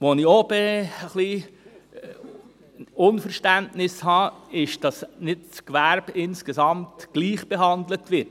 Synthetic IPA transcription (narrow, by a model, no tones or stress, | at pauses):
ʋonɪob̥eəχli | ʊnfəɾʃtæntnɪshɑːɪʃd̥ɑsnɪtt͡skʋæɾbɪnskəsɑmtɡ̥liːχb̥eɦɑndlətʋɪt